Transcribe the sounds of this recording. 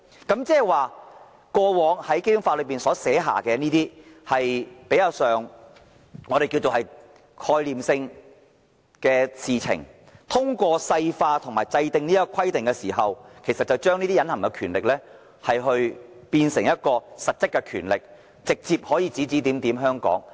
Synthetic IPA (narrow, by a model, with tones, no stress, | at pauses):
kɐ˨˥mt͡sɛː˥˨jwaː˨ | kɔː˧wɔː˨˧ŋhɐ˨˥jke˥jɵ˨˧˥ŋfaː˧lɵ˨˧ɥpiː˨nsɔː˨˥sɛː˨˥ɦa̰ː˨˩kɛː˧niː˥t̪iː˥hɐ˨jpe˨˥jɐ˧wsœː˨˩ŋ | ŋɔː˨˧ɾe˨jki˧wt͡so˨hɐ˨j | kʰɔː˧jliː˨msɪ˧ŋ | kɛː˧siː˨t͡sʰɪ̰˨˩ŋ | t̪ʰʊ˥ŋkʷɔː˧sɐ˧jfaː˧t̪ʰʊ˨˩ŋmaː˨˩jt͡sɐ˧jt̪ɪ˨˧ŋni˥kːɔ˧kʰɐ˥jt̪ɪ˨ŋkɛː˧siː˨˩ɦɐ˨wkʰe˨˩jsɐ˨t̚t͡sɐ˨wt͡ʃœː˥ŋniː˥t̪iː˥jɐ˨˧nhɐ˨˩mkɛ˧kʰyː˨˩nlɪ˨k̚lɛː˥ | hɐ˨jɦɵ˧ɥpiː˧nsɪ˨˩ŋjɐ˥t̚kɔː˧sɐ˨t̚t͡sɪ˥kːɛ˧kʰyː˨˩nlɪ˨k̚ | t͡sɪ˨k̚t͡siː˧p̚hɔː˨˥jiː˨˧t͡siː˨˥t͡siː˨˥t̪iː˨˥mt̪iː˨˥mɦœː˥ŋkɔ̰ː˨˥ŋ